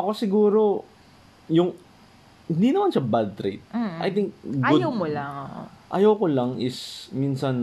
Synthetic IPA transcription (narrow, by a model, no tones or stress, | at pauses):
ʔɐko̞sɪɡuːɾo̞ | jʊŋ | hɪnd̪inɐmanʃɐbal̚t̪ɾḛt̪̩̚ʔɐ̰jt̪ɪŋk̚ɡʔajawmolaŋoʔʔɐ̰jawkolɐŋɪsminsɐn